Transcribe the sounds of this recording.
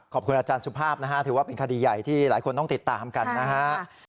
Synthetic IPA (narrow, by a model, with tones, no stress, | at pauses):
kʰɔ˨˩p̚kʰu˧nʔaː˧t͡ɕaː˧nsu˦˥pʰaː˥˩p̚na˦˥kʰa˦˥t̪ʰɯː˩˦waː˥˩pe˧nkʰa˧diː˧ja˨˩jt̪ʰiː˥˩laː˩˦jkʰo˧nt̪ɔ˥˩ŋt̪i˨˩t̪ːaː˧mka˧nːa˦˥kʰa˦˥